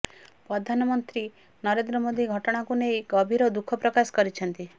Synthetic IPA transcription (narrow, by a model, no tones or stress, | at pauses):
pɾɔd̪ʱanɔmɔnt̪ɾi | nɔɾend̪ɾɔmod̪iɡʱɔʈɔɽ̃akunejɡɔbʱiɾɔd̪ukʰɔpɾɔkasɔ̥kɔɾit͡ʃʰɔnt̪i